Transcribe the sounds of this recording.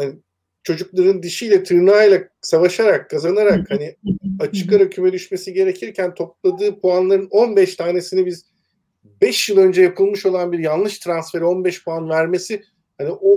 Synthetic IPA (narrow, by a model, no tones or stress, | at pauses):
hani | t͡ʃʰo̞d͡ʒuklˠaɾɯnd̪iʃijlʲɛt̪ʰɯɾnaːjlˠa | savaʃaɾakːazanaɾakhaniat͡ʃʰɯ̥kaɾacʰymɛd̪yʃme̞siɟe̞ɾe̞cʰiɾcʰænt̪ʰo̞p̚lˠad̪ɯːpʰuanlˠaɾɯno̞nbɛʃt̪ʰaːne̞sinɛbiz | bɛʃjɯlˠø̞nd͡ʒɛjapʰɯlˠmɯʃo̞lˠanbiɾjanlˠɯʃt̪ʰɾansfe̞ɾɛo̞nbɛʃpʰuanvæɾme̞si | haniʔo